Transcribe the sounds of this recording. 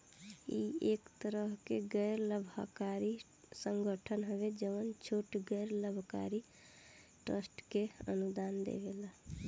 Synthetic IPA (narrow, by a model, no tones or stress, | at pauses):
iekt̪əɾəɦkeɡɛjɾləbʱakaɾi | səŋɡəʈʰənɦoβed͡ʒəʋənt͡ʃʰoʈɡɛjɾləbʱka̰ɾi | ʈɾəsʈkeə̰nud̪and̪ḛɡḛla